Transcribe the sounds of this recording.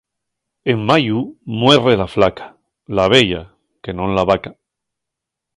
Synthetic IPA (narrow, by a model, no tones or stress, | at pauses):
emmajumwe̞re̞laflakḁ | laβ̞e̞ʝa | ke̞nõ̞nlaβaka